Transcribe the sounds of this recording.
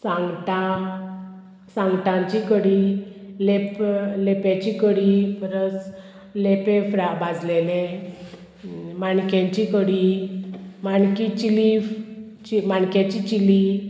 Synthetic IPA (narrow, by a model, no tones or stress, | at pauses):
sãŋɡt̪a | sãŋɡʈ̪ãɲt͡ɕikəɽileplepjat͡ɕikəɽifəɾət͡s | lepẽfɾabad͡zlelẽ | maɳkjãɲt͡ɕikəɽi | maɳkit͡ɕilif | t͡ɕimaɳkjat͡ɕit͡ɕili